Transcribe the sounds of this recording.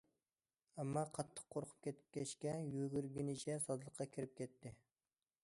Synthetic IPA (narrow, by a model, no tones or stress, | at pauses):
ɛmːɑqʰɑt̪ʰːə̥qqʰːoɾqʰʊ̥p̚kʲʰɛt̪ʰɪ̥p̚kʲʰɛʃkʲɛjøɡʲyɾɡʲinɪt͡ʃʰɛsɑzlˠəqʰːɑkʲʰɪɾɪp̚kʲɛt̪ʰːɪ